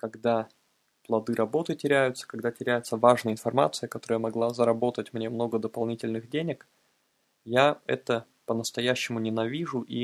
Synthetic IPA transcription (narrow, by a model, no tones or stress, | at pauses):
kɐɡd̪a | plˠɐd̪ɨɾɐbo̞t̪ɨtʲɪɾʲæjʊt̪sə̥kɐɡd̪atʲɪɾʲæjʊt̪səvaʐnəjəɪnfɐrma̰t̪sɨjəkɐt̪o̞ɾəjəmɐɡlˠazəɾɐbo̞t̪ətʲmnʲe̞mno̞ɡəd̪əpɐlˠnʲitʲɪlʲnɨxdʲenʲɪk | jaɛ̰t̪ə | pənəst̪ɐjæɕːɪmʊnʲɪnɐvʲiʐʊʔi